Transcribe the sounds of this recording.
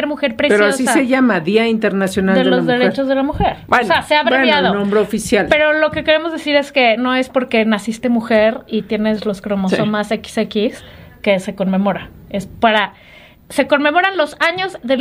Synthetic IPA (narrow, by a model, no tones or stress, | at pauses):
ɾmuxe̞ɾpɾepeɾooasissaeʝamaðiaint̪eɾnasjo̞nald̪eelozzðeɾet͡ʃo̞zðelamuxe̞ɾbeeaseaβeɾenaðonõmbɾeofisjalpe̞ɾo̞lo̞ke̞ke̞ɾe̞mo̞zðe̞siɾe̞ske̞no̞e̞spo̞ɾke̞nasist̪e̞muxe̞ɾit̪je̞ne̞zlo̞skɾomossomaseki̥sekiske̞se̞ko̞nme̞mo̞ɾaespaɾa | se̞ko̞nme̞mo̞ɾanlo̞saɲo̞zðe